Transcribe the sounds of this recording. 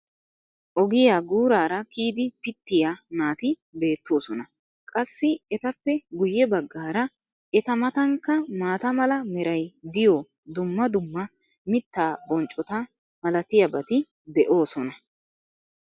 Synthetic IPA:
ʔɔɡɪjaːɡuːɾaːɾɐkiːd̪ɪpɪt̪ːɪjanaːt̪ɪ | be̞ːt̪ːo̞ːsɔnɐ | kʼɐsːɪɛt̪ɐpːɛɡʊjːɛbɐɡːaːɾɐ | ɛt̪ɐmɐt̪ɐŋkːɐmaːt̪ɐmɐlɐmɛɾɐjd̪ɪjo | d̪ʊmːɐd̪ʊmːɐ | mɪt̪ːaːbɔnt͡ʃʼːɔt̪ɐ | mɐlɐt̪ɪjɐbɐt̪ɪ | d̪ɛʔo̞ːsɔnɐ

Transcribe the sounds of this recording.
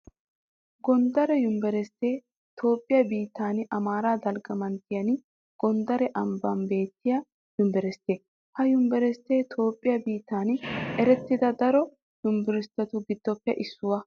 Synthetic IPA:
ɡɔnd̪ɐɾɛjʊmbɛɾɛst̪ːeː | t̪o̞ːpʼːɪjɐbiːt̪ːaːnʔɐmaːɾaːd̪ɐlɡɐmɐnt̪ːɪjɐn | ɡ̥ɔnd̪ɐɾɛʔɐmbɐmbe̞ːt̪ːɪjɐ | jʊmbɛɾɛst̪ːeː | hɐjʊmbɛɾɛst̪ːeːt̪ʰo̞ːpʼːɪjɐbiːt̪ːaːnɛɾɛt̪ːɪd̪ɐd̪ɐɾɔ | jʊmbɛɾɛst̪ːɐt̪ʊɡɪd̪ːɔpːɛʔɪsːʊwɐ

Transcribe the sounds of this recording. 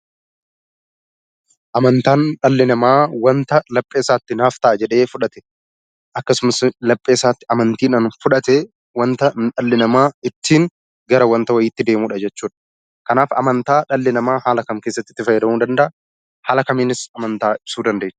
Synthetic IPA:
ʔɐmɐnt̪aːnᶑɐlːɪnɐmaːwɐnt̪ɐlɐpʼːeːsaːt̪ːɪnaːft̪ɐʔɐd͡ʒɛᶑe̞ːfʊᶑɐt̪ɛ̥ | ʔɐkːɐsʊmɐslɐpʼːeːsaːt̪ːɪʔɐmɐnt̪iːnaːnfʊᶑɐt̪ɛ | wɐnt̪ɐᶑɐlːɪnɐmaːɪt̪ːiːŋ | ɡɐɾɐwɐnt̪ɐwɐjɪːt̪ːɪd̪e̞ːmuːᶑɐd͡ʒɛt͡ʃːuːᶑɐ̥ | kɐnaːfɐ̰mɐnt̪aːᶑɐlːɪnɐmaːhaːlɐkɐmkeːsːɐt̪ːɪ̥t̪ːɪfɐjːɪɾɐmuːd̪ɐnd̪ɐʔ | haːlɐkɐmiːnɪsɐmɐnt̪aːɪ̥suːd̪ɐnd̪ɐe̥

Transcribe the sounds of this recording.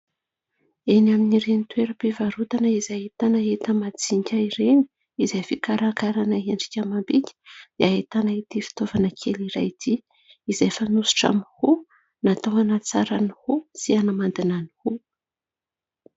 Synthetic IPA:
enaminiɾenit̪weɾəpevaɾut̪anəizaɦet̪anaet̪əmad͡ziɲkʲaiɾeni̥ | izajfikaɾakaɾanəeɳɖ͡ʐi̥kʲamambikʲə̥d̪̥eaɦet̪anait̪ifi̥t̪ovanəkʰeliɾajd̪i | izajfanusu̥ʈ͡ʂa̰mihu | nat̪oɦanət͡saɾanihusianamand̪inanihu

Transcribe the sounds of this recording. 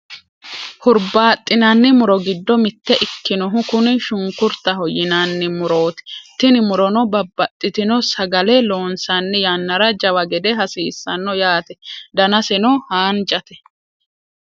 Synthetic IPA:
hʊɾbaːt̪ʼːɪnɐnːɪmʊɾɔɡɪd̪ːɔmɪt̪ːɛʔɪkːɪnɔɦʊkʊnɪʃʊŋkʊɾt̪ːɐɦɔjɪnanːɪmʊɾo̞ːt̪ɪ̥t̪ɪnɪmʊɾɔnɔbɐbːɐt̪ʼːɪt̪ɪnɔsɐɡɐlɛlo̞ːnsɐnːɛjanːɐɾɐd͡ʒɐwɐɡɛd̪ɛɦɐsiːsːɐnːɔjaːt̪ɛd̪ɐnɐsɛnɔhaːnd͡ʒɐt̪ɛ̥

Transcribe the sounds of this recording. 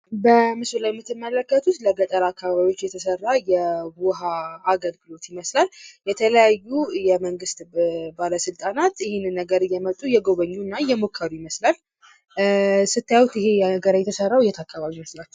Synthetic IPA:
bəmɨsulajɛmːɨt̪ːɨmːələkːət̪ʰut̪ləɡət̪ʼəɾakʰːaβaβaβio̞t͡ʃːjɛt̪ʰəsərːajɛwuɦaːɡəlɡɨlo̞t̪jɪməslaljɛt̪ʰələjajːujɛməŋɡɨst̪baləsɨlt̪ʼanat̪ɪhenɨnːəɡəɾɨjɛmət̪ʼːujɛɡoβəɲːunːajɛmokʰːəɾujɪməslal | sɨt̪ʰːajawut̪ɪheəɡəɾajɛt̪ʰəsərːawjɛt̪ʰakːaβaβiməslat͡ʃː

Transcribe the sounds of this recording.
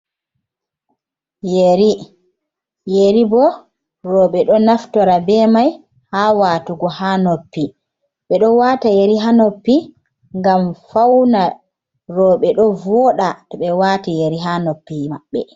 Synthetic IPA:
jeɾi | jeɾibɔ | ɾɔːɓɛɗɔnaftɔɾabɛmaj | haːwaːtuɡɔhaːnopːi | ɓɛɗɔwatajeɾiɦanopːi | ŋɡamfawna | ɾɔːɓɛɗɔvɔɗatɔɓɛwaːtijeɾiɦanopːimaɓːɛ̰

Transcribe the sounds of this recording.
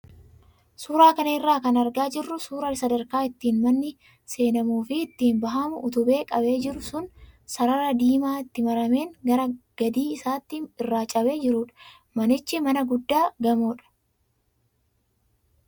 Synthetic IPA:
suːɾaːkɐnɐɪrːaːkɐnɐɾɡaːd͡ʒɪrːʊsuːɾɐlsɐd̪ɐɾkaːɪt̪ːiːnmɐnːɪ | se̞ːnɐmuːfɪɪt̪ːiːnbɐɦɐmʊʔʊt̪ʊbe̞ːkʼɐbe̞ːd͡ʒɪɾʊsʊnsɐɾɐɾɐd̪iːmaːɪt̪ːɪmɐɾɐme̞ːŋɡɐɾɐɡ̥ɐd̪iːɪsaːt̪ːɪɪrːaːt͡ʃʼɐbe̞ːd͡ʒɪɾʊᶑɐ̥ | mɐnɪt͡ʃːɪmɐnɐɡʊd̪ːaːɡɐmoːᶑɐ̥

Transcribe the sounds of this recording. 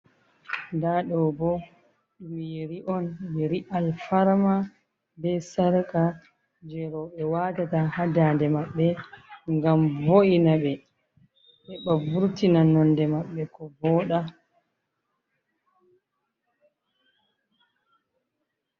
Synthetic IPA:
ndaɗɔwbɔ | wiɾiʔɔnbeɾiʔalfaɾma | bɛsaɾaka | d͡ʒɛɾɔɓɛwaːtatahadandɛmaɓːɛŋɡamvoʔinaɓɛ | ʔɛɓabuɾtinanɔndɛmaɓːɛkɔvɔːɗa

